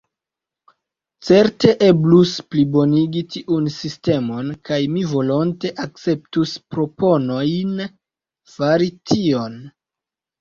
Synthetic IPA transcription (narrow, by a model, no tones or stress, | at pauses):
t͡se̞ɾte̞ʔe̞blusplibo̞niɡitʰiʔunsiste̞mo̞nkajmivo̞lo̞nte̞ʔak̚t͡se̞p̚tuspɾo̞po̞no̞jn | faɾitʰio̞n